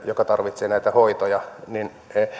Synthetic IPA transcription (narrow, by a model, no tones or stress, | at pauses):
jokɑt̪ɑrʋit̪seːnæit̪æhoit̪ojɑnin